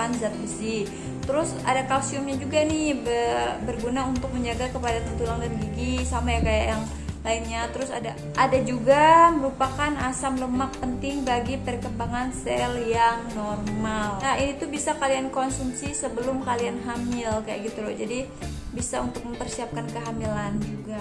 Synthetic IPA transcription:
anzat̪̚isi | t̪əɾʊs | a̰dakasiʊmɲad͡ʒuɡanɪhbəbərɡunaunt̪ʊk̚məɲd͡ʒaɡakəpadat̪ənt̪ulaŋdanɡiɡisamajakaja̰ʔjaŋ | laɪnɲat̪əɾʊsada | ʔadad͡ʒuɡaməɾupakanasamləmak̚pənt̪ɪŋbaɡipərkəmbaŋansɛljaŋnɔrmalaʔinit̪ubisakaliankɔnsumsisəbəlʊmkalianɦamɪlkaja̰ʔɡit̪ulo̰d͡ʒadi | bisaunt̪ʊk̚məmpərsiap̚kankəɦamiland͡ʒuɡa

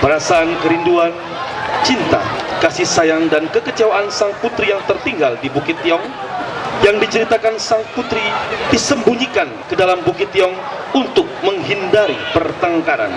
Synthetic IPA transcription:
pəɾasaːnkəɾinduan | t͡ʃint̪a̰kasisajaŋdankəkət͡ʃawaʔansaŋput̪ɾijaŋt̪ərt̪iŋɡaldibukɪt̪jɔŋ | jaŋdit͡ʃəɾit̪akansaŋput̪ɾidisəmbuɲikankədalambukɪt̪jɔŋ | unt̪ʊk̚məŋɦindaɾipərt̪aŋkaɾa̰n

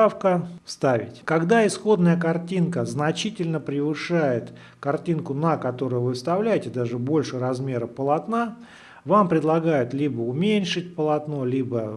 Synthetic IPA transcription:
afkəst̪avʲɪ̰tʲkɐɡd̪aɪsxo̞d̪nəjəkɐrtʲinkəznɐt͡ɕitʲɪlʲnəpɾʲɪvɨʂajɪt̪ | kɐrtʲinkʊnəkɐt̪o̞ɾʊjʊvɨfst̪ɐvlʲæjɪtʲɪd̪aʐɨbo̞lʲʂɨɾɐzmʲe̞ɾəpəlˠɐt̪na | vampɾʲɪd̪lˠɐɡajʊt̪lʲibəʊmʲenʲʂɨt̚ʲpəlˠɐt̪no̞lʲibə

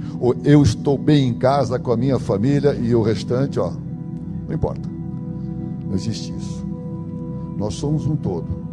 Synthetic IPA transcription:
oewɪst̪owbẽj̃ẽkazɐkõɐmĩɲɐfamilʲɐʔɪʊhest̪ɐ̃t͡ʃɪɔ | nnɐ̃w̃ĩpɔ̰ɾt̪ɐ̥ | nɐ̃w̃ezist͡ʃɪḭsʊ̥ | nɔsːõmʊzũt̪od̪ʊ

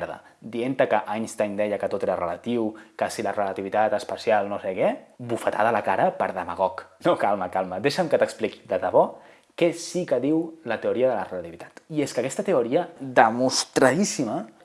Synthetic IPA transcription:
ɾðə̰ | d̪ient̪əkəʔaɲst̪aɲd̪ɛjəkət̪ot̪eɾərələt̪iwkəsilərələt̪iβit̪at̪əspəsialˠnosekɛbufət̪a̰ðəlakaɾəpəɾðəmaɣ̞ɔknokalˠməkalˠməd̪eʃəmkət̪əkspliki̥d̪əðəβɔ | kɛsikəðiwlət̪euɾiəðələrələt̪iβit̪ḁt̪ieskəkɛst̪ət̪euɾiəd̪əmust̪ɾaðisimə

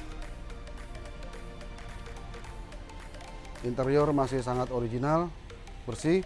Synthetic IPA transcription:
ʔint̪ɛɾiɔrmasɪhsaŋat̪oɾid͡ʒinal | bərsih

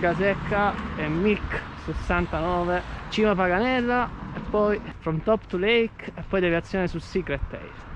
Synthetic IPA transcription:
kasɛkʰːaɛmːik | sesːant̪anɔːvet͡ʃiːmafaɡanɛrːaɛpːɔjfɾɔnt̪ɔpt̪ulɛjkɛpːɔjd̪ɛviat̪sːjɔːnesusikɾɛt̪ːɛ̰jɾ

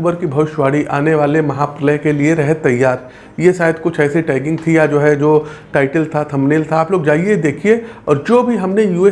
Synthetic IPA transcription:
bəɾkibʱɐʋɪʃʋaːɽiʔa̰ːneʋaːlemɐɦapɾɪlə̃ɦkelieɾɐɦt̪ɐjːaːɾ | jeʃaːɦɪd̪kʊt͡ʃʰɛːsiʈaːɪɡɪ̃ŋɡ̚t̪ʰijad͡ʒoːɦɛd͡ʒoːʈaːɪʈəlt̪ʰat̪ʰɐmneːlt̪ʰaaːploːɡd͡ʒaːied̪eːkʰieɔːɾd͡ʒoːbʱiɦɐmnejuːe

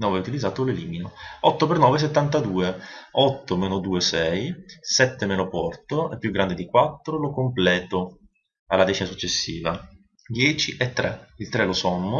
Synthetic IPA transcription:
nɔːvɛut̪ilid̪zːaːt̪oleliːminoɔt̪ːopernɔːves̬et̪ːant̪ad̪uːeɔt̪ːomeːnod̪uːesɛjsɛt̪ːemeːnopɔrt̪oepːjuɡːɾand̪ed̪ikwat̪ːɾolokomplɛːt̪o | alːad̪ɛːt͡ʃinasut͡ʃːesːiːva | d̪jɛːt͡ʃiʔɛt̪ːɾeilt̪ɾɛlosɔmːo

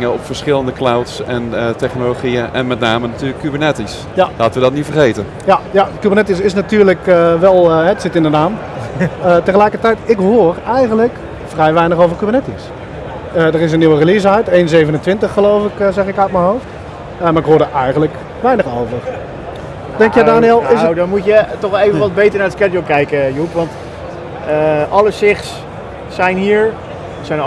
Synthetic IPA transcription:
ŋəɔpfəɹsχɪləndəklawtsɛntɛχnoloχiəʔɛ̰nmɛtnaːmənatyːləkʰːybənɛtis | jalaːtəʋədɔtnitfərχejtən | jajakybərnɛtis̬ɪsnatyːɹləkʋɛlˠɦɛtsɪtɪndənaːm | ətəχəlɛjkərtɛjtɪkɦoːrɛjɣənlək | frɛjʋɛjnəχowvərkybərnɛtis | ədərɪs̬ənːiwərilis̬aɥtejnzejvənəntʋɪntəχːəlowfɪkzɛχɪkœɥt̚mənɦowft | əmaːrɪkɦoːɹdəʔɛjχənlək | ʋɛjnəχowvər | d̥ɛŋkjɛdaːniɛlˠɪsdɔnmutjətɔχevənʋɑd̚bejtəɹnaɹdəskɛdokɛjkəjupʋɑnt | əʔɑləsɪχsː | ɛjnɦiːɹ | sɛjn

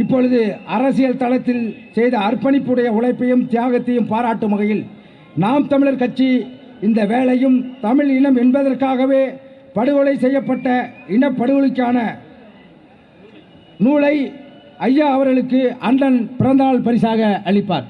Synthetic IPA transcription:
ɪpːɔɻɯðɯɐɾɐsɪjɐlt̪ɐlɐt̪ːɪlsɛjðɐːrpɐnɪpːɯɽɐjɐʊɭɐɪpːɐjɯmt̪ɪjaːɣɐt̪ːɐjɯmpaːɾaːʈːɯmɐɣɐjɪl | naːmt̪ɐmɪɭɪɾkɐʈt͡ʃːi | ɪnd̪ɐʋeːɭɐjɯmt̪ɐmɪɭɪɳɐmɛnbɐðɐrkaːɣɐʋeː | pɐɽɯɣɔɭɐɪsɛjːɐpːɐʈːɐɪɳɐpːɐɽɯɣɔɭɯkːaːnɐ | nuːɭɐɪ | ɐjːaːɐʋɐɾɣɐɭɯkːɯʔɐnɖɐnpɪɾɐnd̪aːɭpɐɾɪsaːɣɐʔɐɭɪpːa̰ːɾ

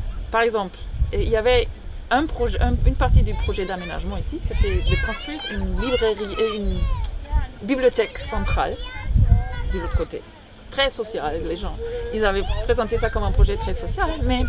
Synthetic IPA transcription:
paʁɛɡzɑ̃pleiljavɛ | ɛ̃pχɔʒɛʔɛ̃ynpaʁt̪id̪ypχɔʒɛd̪amena̰ʒmɑ̃isiset̪ɛd̪əkɔ̃st̪χwiʁynlibʁeʁieyn | biblijot̪ɛksɑ̃t̪χa̰l | d̪əlot̪χəkot̪ḛ | t̪χɛsɔsjalːeʒɑ̃ilzavɛpχezɑ̃t̪esakɔmɛ̃pχɔʒɛt̪χɛsɔsjalmɛ

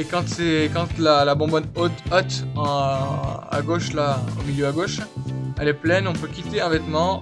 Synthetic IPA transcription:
ekɑ̃t̪sɛkɑ̃t̪lalabɔ̃bɔnot̪ɔt̪ | a̰ɡoʃlaomiljøaɡoʃɛlɛplɛnɔ̃pøkʲit̪eɛ̃vɛt̪mɑ̃

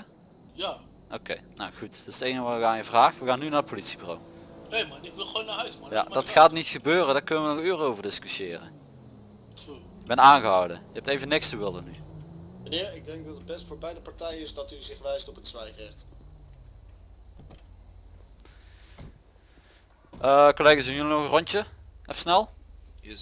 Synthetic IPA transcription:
ja | ʔo̰kḛjna̰wxutdɪstejnəʋɔkaːjəvraːxʋəɣaːnynaːətpolitsibyro̰wejmaɪkʋɪlˠχownaɦœɥsmaja̰dɑtxaːtnitxəbøːrədaːɹkɵnəʋənɔxyːrəowvəɹdɪskysjɪːrə̰ | ɪɡ̚bɛnaːnɣəɦɑwdə̰jəɦɛp̚tejvənɪkstəʋɪlˠənymənɪːɹɪɡ̚dɛŋk̚dɑtəd̚bɛstfʊːɹbɛjdəpaɹtɛjənɪsdɑtyzɪχʋɛjstɔpətsʋɛjχɛxt | əkolejɣasdənjəlnɔɣərɔnəʔɔfsnɛlˠ

